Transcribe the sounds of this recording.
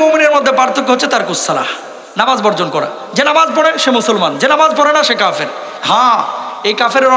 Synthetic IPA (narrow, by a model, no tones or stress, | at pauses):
momineɾmod̪ʱːepɾaɾt̪ʰːokːoɦoːet̪aɾkusːala̰ | namazbɔɾd͡ʑonkɔɾḛ | d͡ʑenamazp̬ɔɽ̃eʃemusulmand͡ʑenamazpɔɾenaʃekafeɾ | ɦãejkafeɾɾɔ